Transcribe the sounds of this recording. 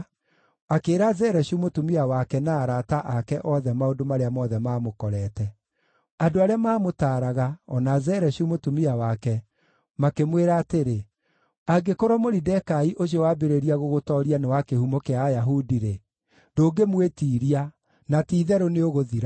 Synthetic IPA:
akeːɾazɛːɾɛɕumotumiawakɛnaːɾataʔakɛʔɔðɛmaondomaɾeamɔðɛmaːmokɔɾɛːtɛ | adoaɾeamaːmotaɾaɣaɔnazɛɾɛɕumotumiawakɛ | makemweɾaːteɾe | aɡekoɾɔmoɾidɛkaiʔoʃ̬ewabeɾeɾiaɣoɣotɔɾianewakehumokeaajaɦudiɾe | doːɡemwetiːɾia | natiːðɛɾoneoɣoðiɾa

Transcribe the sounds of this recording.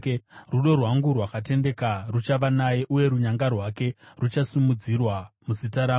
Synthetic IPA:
ruɗo̞rwaŋɡurwakate̞nde̞karut͡ʃaʋanajeʔuje̞ɾuɲaŋɡarwake̞rut͡ʃasimud͡zirwamusitaɾaː

